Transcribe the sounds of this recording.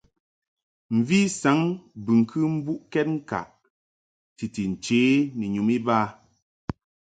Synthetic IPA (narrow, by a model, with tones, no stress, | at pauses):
m̩˨vi˦sa˨˦ŋbɨ˨ŋ˨kʰɨ˦m̩˦bu˦ʔkɛ˦t̚ŋ̩˦ka̰˨ʔ | ti˨ti˨n̩˨t͡ʃeː˨˦ni˨ɲu˨mi˦baː˦